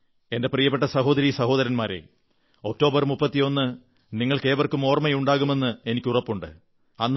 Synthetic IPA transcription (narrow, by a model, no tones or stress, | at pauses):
e̞nde̞prijɐpːe̞ʈ̬ːɐsɐɦo̞ːd̪ɐɾisɐɦoːðɐɾɐnmaːɾḛ | o̞k̚tːo̞ːbɐrmupːɐt̪ːijo̞nːɨ | niŋːɐɭke̞ːbɐrkɨmo̞ːrmɐjuɳɖaːɣume̞nːɨe̞nikʲːurɐpːuɳɖɨ̰ | ɐnː